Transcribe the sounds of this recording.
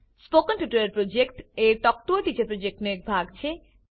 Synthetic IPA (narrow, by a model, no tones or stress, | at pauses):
spokənpuʈoɾeɾpɾod͡ʑek̚ʈeɾt̪ɔk̚t̪uoʈ̪it͡ɕepɾod͡ʑek̚ʈnek̚bʱaɡ̚t͡ɕʰe